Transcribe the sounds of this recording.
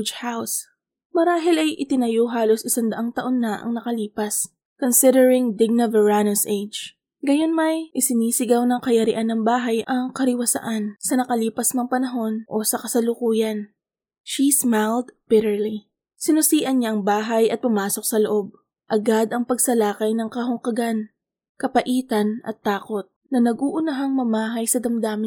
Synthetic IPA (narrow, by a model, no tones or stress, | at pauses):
d͡ʒhaws | mɐɾaːɦɪlɐjʔɪt̪ɪnɐjoɦaːlo̞sɪsand̪ɐʔaŋt̪ɐʔo̞nːɐʔɐ̰ŋnɐkɐliːpɐs | konsɪd̪ɛɹɪŋd̪ɪɡ̚nɐvɛɹanosʔejd͡ʒ | ɡɐjo̞nmɐjʔɪsɪniːsɪɡawnɐŋkɐjɐɾɪʔanːɐŋbaːɦɐjʔɐŋkɐɾɪwɐsɐ̰ʔansɐnɐkɐliːpɐsnɐŋpɐnɐɦo̞nʔo̞sɐkɐsɐlʊkuːjɐn | ʃismajld̪bɪɾɛɹli | sɪnʊsiːʔɐnɲaʔɐŋbaːɦajʔɐt̪̚pʊmaːso̞k̚sɐloʔo̞b̚ | ʔɐɡad̪ɐŋpɐɡsɐlaːkɐjnɐŋkɐɦʊŋkɐɡan | kɐpɐʔiːt̪ɐnɐ̰t̪ːaːko̞t̪̚nɐnɐɡuːʔʊnɐɦaŋmɐmaːɦɐjsɐd̪ɐmd̪aːmɪ